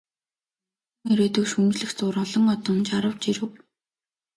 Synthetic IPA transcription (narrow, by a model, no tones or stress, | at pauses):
uŋeɾeːt̪ɵ̆wʃunt͡ɕɮɘ̆xt͡sʊːɾɔɮɞ̆ŋɔt̪ɞ̆nt͡ɕaɾə̆wt͡ɕiɾɘ̆w